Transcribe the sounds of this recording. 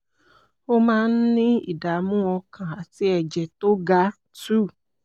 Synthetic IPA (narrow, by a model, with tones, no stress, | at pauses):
o˦mãː˦n̩˦nĩ˦ḭ˨da˨mũ˦ɔ̃˧kʰã˨a˨ti˦ɛ˨d͡ʒɛ˨to˦ɡa˦ | tu˦˨